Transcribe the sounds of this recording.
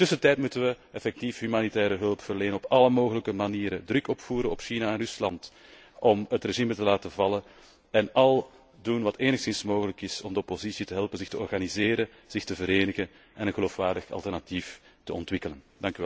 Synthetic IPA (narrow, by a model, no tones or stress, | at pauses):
tɵsətɛːjtmutənʋəɛfɛk̚tifɦymaːnitɛːɾəɦɵlˠpfərleːnənɔpɑləmoːɣələkəmaniːɾədrʏkɔpfuːɾənɔpʃinaɛnrʏslɑnt | ʔɔmətreʒimtəlaːtəvɑlə | ɛnɑlˠ | dunʋɑteːnəxsɪnsmoːɣələkɪsɔmdəɔpozisitəɦɛlˠpənzɪxtəɔrɣanizeːɾə | z̥ɪxtəvəɾeːnəɣən | ʔɛnənɣəloːfʋaːrdəxɑ̰lˠtɛrnatiftəɔntʋɪkələn | d̥ɑŋkyɛ